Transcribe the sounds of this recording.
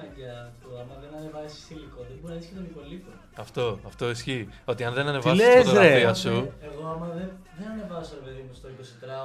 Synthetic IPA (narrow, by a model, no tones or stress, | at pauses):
ɐɟɐːft̪oɐmɐðenɐne̞vɐzisi̥st̪iliko̞ðebunɐðisket̪omipo̞lipo | ɐft̪o̞ɐft̪o̞isçio̞t̪iɐnðenɐneɐiɐlezɾeiɐsueɣo̞ɐmɐðeðenɐne̞vɐsoɾe̞pe̞ðimust̪oiko̞sit̪ɾɐ